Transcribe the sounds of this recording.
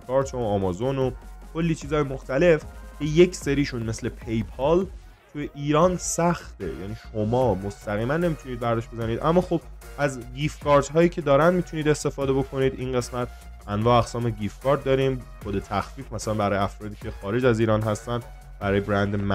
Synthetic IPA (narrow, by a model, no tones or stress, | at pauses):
kʰɒːɾt̪ʰoɒːmɒzonokʰolːiːt͡ʃʰiːzɒːjemoxt̪æle̞fcʰe̞jecse̞ɾiːʃunme̞sle̞pʰejpʰɒl | t̪ʰujeʔiːɾɒːnsæxt̪ḛjæ̰niːʃomɒːmost̪æɣiːmænːe̞miːt̪ʰuniːd̪̚bæɾd̪ɒʃbe̞zæniːd̪ʔæmːɒːxob̥̚ | æzɡiːfkʰɒːɾt̪ɦɒːjiːcʰe̞d̪ɒːɾænd̪miːt̪ʰuniːd̪e̞st̪e̞fɒːd̪ebo̞kʰo̞niːd̪inɢe̞smæt̪ | ænvɒːæɣsɒːmeɡiːfkʰɒːɾd̪̚d̪ɒːɾiːmxod̪e̞t̪ʰæxfiːfmæsælænbæɾɒːjeæfɾɒːd̪iːcʰe̞xɒːɾe̞d͡ʒæziːɾɒːnɦæst̪ænd̪̥ | bæɾɒːjebɾænd̪emæ